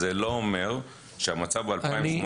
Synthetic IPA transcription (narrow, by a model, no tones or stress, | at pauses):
eloomeʁ | ʃeamat͡savbealpaim